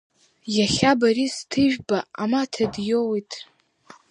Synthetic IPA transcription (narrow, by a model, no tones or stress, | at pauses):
jaχʲabaɾistʰɨʒᶣbaamatʰadjowitʼ